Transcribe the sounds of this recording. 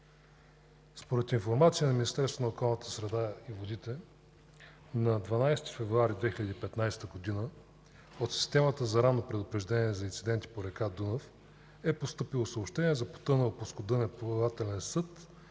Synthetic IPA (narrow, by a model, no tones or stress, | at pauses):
spoɾɛt̪infoɾmat̪siənɐminist̪ɛɾst̪vonəokɔlˠnət̪ə̥sɾɛd̪aivod̪it̪ɛ | nɐd̪vanajst̪i̥fɛvɾuaɾid̪vɛxilʲəd̪iːpɛt̪najst̪əɡod̪inə | ot̪si̥st̪ɛmət̪əzɐɾannopɾɛd̪ʊpɾɛʒd̪ɛnʲiɛzɐint̪sid̪ɛnt̪i̥poɾɛkad̪unof | ɛpost̪ɤpilˠosəoːpʃt̪ɛnʲiɛzɐpo̥t̪ɤnəoposkod̪ɤnɛpolˠat̪ɛlɛnsɤt̪